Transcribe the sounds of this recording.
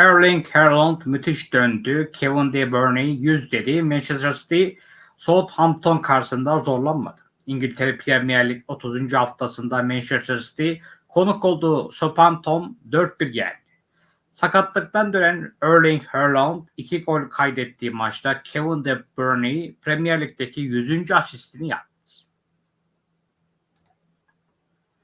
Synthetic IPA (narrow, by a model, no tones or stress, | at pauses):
øɾlʲˠiŋɡheɾlˠand̪myt̪ʰiʃd̪ønd̪ycʰevund̪ebøɾnijjyzd̪e̞d̪imænt͡ʃʰest̪ɾsi̥t̪i | so̞t̪hamp̚t̪ʰo̞nkʰaɾsɯnd̪azo̞ɾlˠanma̰d̪̥ɯ̥ | iɲɟilʲt̪ʰeɾɛpʰid̪ɛmijɛlʲːic̚ʲo̞t̪ʰuzynd͡ʒyhaft̪ʰasɯnd̪amænt͡ʃest̪ɾsi̥t̪ʰikʰo̞nukʰo̞lˠd̪uːsopʰamt̪ʰomd̪øɾt̪̚biɾjæ̰ɾd̪i̥ | sakat̪lˠɯk̚t̪and̪øɾænøɾlʲiŋheɾlˠand̪icʰiɡo̞lʲkʰajd̪ɛt̪ːiːmat͡ʃt̪ʰacʰevund̪ɛbøɾnijpʰɾemijæɾlʲic̚t̪ʰecʰijyzynd͡ʒyasist̪ʰinija̰p̚mḁʃ